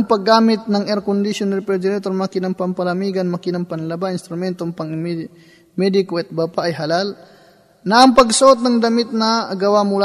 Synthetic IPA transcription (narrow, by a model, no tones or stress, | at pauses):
ŋpɐɡːaːmɪt̪̚nɐŋɛɾkʊnd̪ɪsjonalpɛd̪ɪɾɛt̪oɾmɐkɪnɐŋpɐmpɐlɐmiːɡɐnmɐkɪnɐŋpɐnlɐbaʔɪnst̪ɾʊmɛnt̪oŋpɐŋm | mɛd̪ɪkoʔɛt̪̚bapaʔɐjɦɐlal | nɐʔɐŋpɐɡsoʔot̪̬̚nɐŋd̪ɐmɪt̪̚nɐɡɐwamʊla